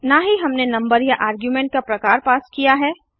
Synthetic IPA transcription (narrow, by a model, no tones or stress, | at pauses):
naːɦiɦɐmnenɐ̃mbəɾjaʔaːɾɡjumẽːɳʈ̚kapɾɐkaːɾpaːskijaɦɛː